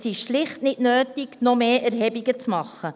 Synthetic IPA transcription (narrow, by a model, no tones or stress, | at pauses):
siʃlɪχtnɪtnøːtiɡnomeːʔæɾɦɛbiɡət͡smɑχːə